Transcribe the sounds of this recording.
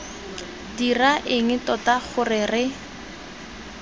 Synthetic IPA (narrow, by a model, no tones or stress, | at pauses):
diraʔɪŋ̩tɔtaχʊrɪrɪ